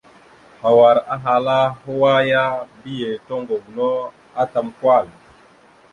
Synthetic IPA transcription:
ha˨wa˨ɾa˦ɦa˨la˦ɦo˦wa˦ja˦bi˦je˨tɔ˦ŋɡo˨ɡnɔ˦ | a˦ta˨mkwa˦˨l

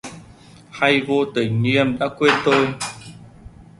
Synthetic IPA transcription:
ha˧jvo˧t̪i˨˩ŋ̟ɲi˧əmɗa̰ː˧˥kwe˧t̪o˧j

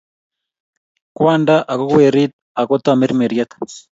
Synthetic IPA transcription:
kwa˦nda˦ʔa˨ko˦kwe˨ɾi˦t̪̚a˨kɔ˦t̪a˨me˦ɾme˨ɾjat̪ḁ

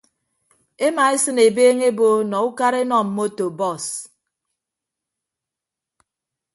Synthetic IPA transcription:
e˦ma˨e˦sɨ˦ne˨beː˦ŋe˦bo˦nɔ˨u˦ka˦ɾe˦nɔ˨m̩˨mo˦to˨bɔ˦˨s

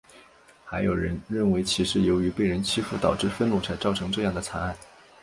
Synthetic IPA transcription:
xa˧˥ɪjo˨˩ɻə˧˥nɻə˥˩nwe˧˥ɪt͡ɕʰi˧˥ʂɻ̩˥˩jo˧˥ʊy˧˥pe˥˩ɪɻə˧˥nt͡ɕʰi˥fu˥˩t̪ɑ˨˩ʊʈ͡ʂɻ̩˥˧fə˥˧nnu˥˩t͡sʰa˧˥ɪt͡sɑ˥˩ʊʈ͡ʂʰɤ˧˥ŋʈ͡ʂɤ˥˧jɑ˥˩ŋd̪ə˩t͡sʰa˧˥na˥˩n

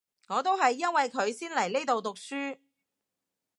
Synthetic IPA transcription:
ŋɔː˨˧t̪o˥wɦɐ˨jːɐ˥nwɐ˨jkʰɵ˨˧ɥsiː˥nlɐ˨˩jle˥t̪o˨wt̪ʊ˨k̚syː˥

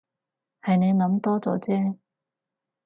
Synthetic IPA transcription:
hɐ˨jne˨˧jnɐ˨˥mt̪ɔː˥t͡sɔ̰ː˨˥t͡sɛː˥

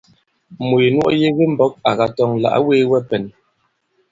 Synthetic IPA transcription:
mu˨je˨nwɔ̰˦ʔje˦ɣe˦m̩˦bɔ˦k̚a˨ɣa˨tɔ˦ŋla̰˨ʔweː˦wɛ˦pɛ˨n

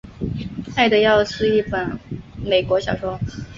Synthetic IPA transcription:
a˥˩ɪd̪ə˩jɑ˥˧ʊʂ̩˥˧i˥˩pə˨˩nme˨˩ɪkwɔ˧˥ɕjɑ˨˩ʊʂwɔ˥

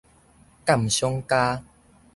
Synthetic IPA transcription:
ka˥˨mɕjɔ˦ŋka˦

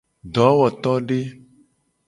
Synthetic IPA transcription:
ɖɔ˨˦wɔ˨t̪ɔ˦ɖe˦

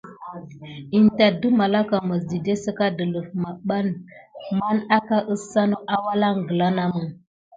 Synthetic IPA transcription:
i˨n˨ta˨də˦ma˨la˦ka˨mə˨zi˨de˦sə˦ka˦də˨lə˨fma˨ɓa˦nma˦na˦ka˦ʔə˦sa˦no˦ʔa˦wa˦la˦ŋ˨ɡə˨la˦na˦mə˨ŋ

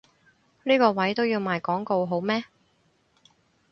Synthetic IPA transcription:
niː˥kɔː˧wɐ˨˥jt̪o˥wjiː˧wmaː˨jkɔː˨˥ŋko˧wɦo˨˥wmɛː˥

